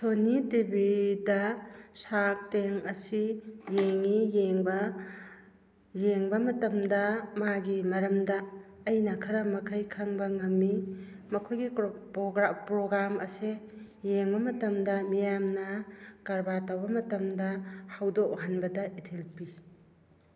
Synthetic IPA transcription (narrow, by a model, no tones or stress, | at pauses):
sonitibidɐsak̚teŋɐsijeŋijeŋbɐ | jeŋbɐmɐtɐmdɐmaɡimɐɾɐmdɐː | jnɐkʰɐɾɐmɐkʰɐjkʰaŋbɐŋɐmːimɐkʰojɡiɡɾpɾoɡɾamʔɐse | jeŋbɐmɐtɐmdɐmijamnɐkɐɾbaɾtawbɐmɐtɐmdɐhawdok̚ɦanbɐdɐʔitʰelpi